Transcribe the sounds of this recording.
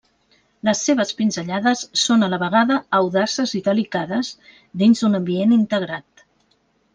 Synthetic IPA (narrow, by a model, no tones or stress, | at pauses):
ləsːeβ̞əspinzəʎaðəsːonələβəɣ̞aðəːwðasəziðəlikaðəz | ðinzd̪unəmbienint̪əɣɾat̪